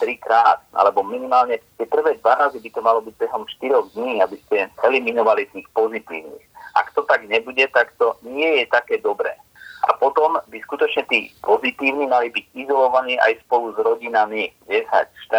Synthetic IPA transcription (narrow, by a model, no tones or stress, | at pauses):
t̪ɾikɾaːt̪̚ʔa̰lɛbɔminimaːlɲɛt̪ɪɛpr̩ʋɛːd̪ʋaɾazibit̪ɔmalɔbiɟ̚bɛɦɔmʃt̪iɾɔɣd̪ɲiːabiscɛɛliminɔʋalit̪iːxpɔzit̪ḭːʊnḭxʔa̰kt̪ɔt̪aɡɲɛbuɟɛt̪akt̪ɔɲɪɛjɛt̪akɛːd̪ɔbɾɛ̰ː | a̰pɔt̪ɔmbiskut̪ɔt͡ʃɲɛt̪iːpɔzit̪iːʊnimalibiɟizɔlɔʋaniːʔa̰jspɔluzɾɔɟinamijɛsa̰cʃt̪a